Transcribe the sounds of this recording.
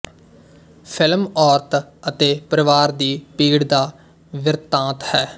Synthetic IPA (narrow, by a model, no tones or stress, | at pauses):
pʰɪlmɔːɾt̪ʰət̪eːpəɾɪʋaːɾd̪iːpiːɽd̪aː | ʋɪɾt̪ãːt̪hɛː